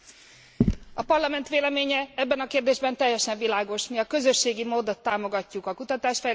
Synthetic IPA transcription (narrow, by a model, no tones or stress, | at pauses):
ɒpɒrlɒmɛnt̪ʋeːlɛmeːɲɛɛbːɛnɒkeːrd̪eːʒbɛnt̪ɛjːɛʃɛɱvilaːɡo̞ʃmiɒkø̞zø̞ʃːeːɡimoːd̪o̞t̪ːaːmo̞ɡɒcːukɒkut̪ɒt̪aːʃfɛj